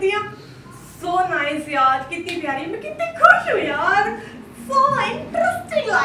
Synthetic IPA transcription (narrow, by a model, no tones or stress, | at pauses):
ĩã | soːnaɪsjaːɾkɪt̪ːĩːbʱjaːɾĩmɛ̃kɪt̪ẽkʰʊʃɦujaːɾ | soːaʈɾʊsʈɪ